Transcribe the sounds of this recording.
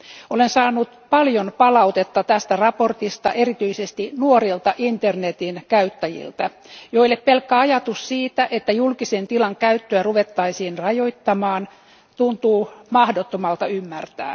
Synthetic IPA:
olensɑːnːut̪pɑljonpɑlɑut̪et̪ːɑt̪æst̪ærɑpo̞rt̪ist̪ɑ̰ʔerit̪yisest̪inuoɾilt̪ɑʔint̪ernet̪inkæyt̪ːæjḭlt̪æ | joilːeppelkːæɑjɑt̪ussiːt̪æʔet̪ːæjulkisent̪ilɑŋkæyt̪ːøæruʋet̪ːɑisiːnrɑjoit̪ːɑmɑːn | t̪unt̪uːmɑhdot̪ːomɑlt̪ɑymːært̪æ̰ː

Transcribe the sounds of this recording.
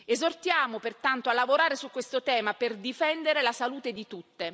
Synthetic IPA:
ezort̪jaːmopert̪ant̪oalːavoɾaːɾesukːwest̪ot̪ɛːmaperd̪ifɛnd̪eɾelasaluːt̪ed̪it̪ut̪ːe

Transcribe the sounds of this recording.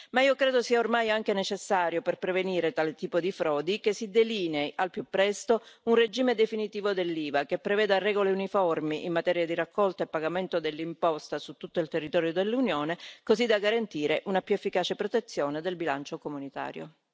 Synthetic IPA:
maiːokɾeːd̪osiːaormajaŋk̟enet͡ʃesːaːɾjoperpɾeveniːɾet̪aːlet̪iːpod̪ifɾɔːd̪ikesːid̪eliːneʔalpjupːɾɛst̪ounred͡ʒiːmed̪efinit̪iːvod̪elːiːvakepːɾevɛːd̪arːɛːɡoleunifɔrmiʔimːat̪ɛːɾjad̪iɾakʰːɔlt̪aepːaɡament̪od̪elːimpɔst̪asut̪ːut̪ːoilt̪erːit̪ɔːɾjod̪elːunjoːnekozid̪aɡaɾant̪iːɾeʔunapjuefːikaːt͡ʃepɾot̪et̪sːjoːned̪elbilant͡ʃokomunit̪a̰ːɾjo̰

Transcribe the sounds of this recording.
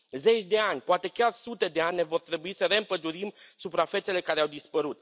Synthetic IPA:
ze̞t͡ʃʲd̪e̞anʲpoat̪e̞kʲarsut̪e̞d̪eanʲːevo̞rt̪ɾe̞buisəɾe̞ɨmpəd̪uɾimsupɾafe̞t̪se̞le̞kaɾeawd̪ispəɾut̪

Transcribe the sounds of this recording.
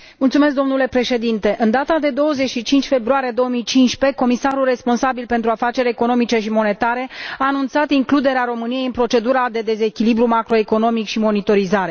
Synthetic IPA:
mult̪sumesk̚d̪o̞mnule̞pɾe̞ʃe̞d̪int̪e̞ʔɨnd̪at̪ad̪e̞d̪o̞wəzeʃit͡ʃint͡ʃʲfe̞bɾuaɾije̞d̪o̞wəmijt͡ʃinʃpe̞ko̞misaɾulre̞spo̞nsabilpe̞nt̪ɾuafat͡ʃe̞ɾeko̞no̞mit͡ʃe̞ʃimo̞ne̞t̪aɾe̞aːnunt̪sat̪iŋklud̪e̞ɾeaɾo̞mɨnije̞jɨnpɾo̞t͡ʃe̞d̪uɾad̪e̞d̪e̞ze̞kʲilibɾumakɾo̞e̞ko̞no̞mikʃimo̞nit̪o̞ɾizaɾe̞

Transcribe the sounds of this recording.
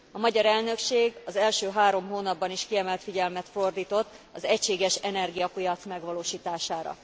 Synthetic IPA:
ɒmɒɟɒɾɛlnø̞kʃeːɡɒzɛlʃøːɦaːɾo̞mɦoːnɒbːɒniʃkiɛmɛlt̪fiɟɛlmɛt̪fo̞rd̪iːt̪o̞t̪ːɒzɛcʃeːɡɛʃɛnɛrɡijɒpijɒt̪smɛɡʋɒloːʃiːt̪aːʃaːɾɒ̰

